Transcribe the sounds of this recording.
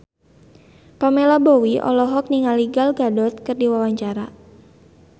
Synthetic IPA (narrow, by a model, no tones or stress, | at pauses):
pamelabowiʔɔ̰lɔɦɔk̚niŋaliɡalɡadɔt̪̚kɨrdiwawaɲt͡ʃaɾa